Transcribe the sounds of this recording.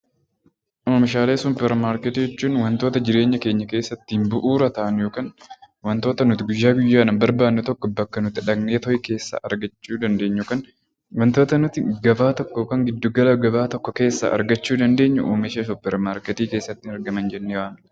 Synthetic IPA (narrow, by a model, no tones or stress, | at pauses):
ʔoːmɪʃ̬aːle̞ːsʊpːɛɾmaːɾkɛt̪iːd͡ʒɛt͡ʃːuːnwɐnt̪o̞ːt̪ɐd͡ʒɪɾe̞ːɲːɐke̞ːɲːɐke̞ːsːɐt̪ːimbʊʔuːɾɐt̪ɐʔɐnjoːkaːn | wɐnt̪oːt̪ɐnʊt̪ɪɡʊjːaːɡʊjːaːnɐmbɐɾbaːnːɛt̪ɔkːɔbɐkːɐnʊt̪ɪᶑɐɡneːt̪ɔjke̞ːsːa̰ːʔɐɾɡɐt͡ʃːuːd̪ɐnd̪e̞ːɲːʊkan | wɐnt̪o̞ːt̪ɐnʊt̪ɪɡɐbaːt̪ɔkːoːkɐŋɡɪd̪ːʊɡɐlɐɡɐbaːt̪ɔkːɔke̞ːsːa̰ʔɐ̰ɾɡɐt͡ʃːuːd̪ɐnd̪e̞ːɲːʊʔoːmɪʃes̬ʊpːɛɾmaːɾkɛt̪iːke̞ːsːɐt̪ːɪɐɾɡɐmɐnd͡ʒɛnːewaːn